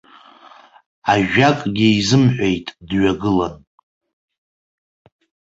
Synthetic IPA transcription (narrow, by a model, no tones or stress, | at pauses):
aʒᶣakʼɡʲiizɨmħʷᶣejtʼdɥaɡɨlan